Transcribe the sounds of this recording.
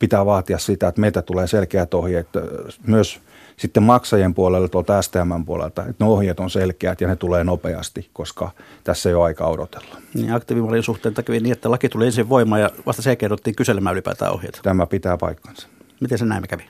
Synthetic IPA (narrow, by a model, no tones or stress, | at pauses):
pit̪æːʋɑːt̪iɑssit̪æet̪meilt̪æt̪uleːselkeæt̪ohjeːt̪myøs | sit̪ːemmɑksɑjempuolelːt̪uolt̪ɑæst̪eæmːæmpuolḛlt̪ɑet̪neohjeːt̪onselkeæt̪jɑnet̪uleːnopeɑ̰st̪ikkoskɑ̰t̪æsːeijoɑikɑ̰odo̰t̪e̥lːɑ̥nḭːɑkt̪iːʋimɑlinsuht̪ˑeːnt̪ɑkyʋiniːet̪ːælɑkit̪uliensiʋʋoimˑɑːjɑʋɑ̰st̪ɑselkeːrot̪ːiːŋkyselemæːylipæ̰ːt̪æ̰ːo̰hjḛːt̪t̪æmæpit̪æːpɑ̰ikːɑ̥nsɑ̥mit̪ensenæˑimːekæʋi